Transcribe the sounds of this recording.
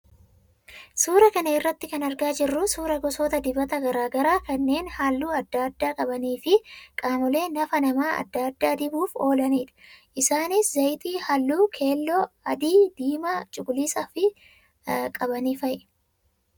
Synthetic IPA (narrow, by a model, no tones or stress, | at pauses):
suːɾɐkɐnɐɪrːɐt̪ːɪkɐnɐɾɡaːd͡ʒɪrːʊsuːɾɐɡɔsoːt̪ɐd̪ɪbɐt̪ɐɡɐɾaːɡɐɾaːkɐnːe̞ːnhaːlːuːɐd̪ːaːɐd̪ːaːkʼɐbɐniːfɪkʼaːmɔle̞ːnɐfɐnɐmaːɐ̰d̪ːaːd̪ːaːd̪ɪbuːfo̞ːlɐniːᶑ̪ɐ̥ʔɪsaːnɪszɐjt̪iːhɐlːuːkʰe̞ːlːɔɐd̪iːd̪̥iːmɐt͡ʃʼʊɡʊliːsɐfɪ | kʼɐbɐniːfɐj